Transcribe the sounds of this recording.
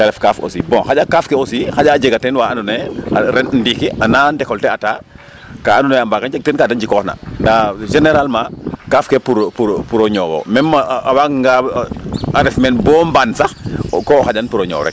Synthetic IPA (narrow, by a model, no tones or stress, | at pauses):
taɾɛfkaːfo̰sibɔ̃xaɟakaːfkɛosixaɟaːd͡ʒeɡatɛnwaanunɛaɾɛnndiːkiʔanandɛkɔltɛataː | kaːndunɛambakad͡ʒɛk̚tɛnkadaɲd͡ʒikɔhna̰ndaʒɛneɾalmakaːfkɛpuɾpuɾpuɾoɲɔːwɔ̰mɛnmaawakŋɡa | aɾɛfmɛnbɔːmbansaxkɔːxaɟanpuɾoɲɔ̰ːɾɛ̰k̚